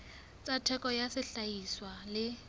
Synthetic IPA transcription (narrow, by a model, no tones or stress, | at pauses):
t͡sʼatʰɛkʼɔjasɪɬaiswalɪ